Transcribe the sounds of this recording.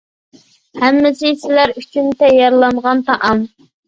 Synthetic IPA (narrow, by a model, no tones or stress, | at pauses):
hæmːɪsɪsɪlæɾyt͡ʃʰynt̪ʰɛjɑɾlˠɑmʁɑnt̪ɑʔɑm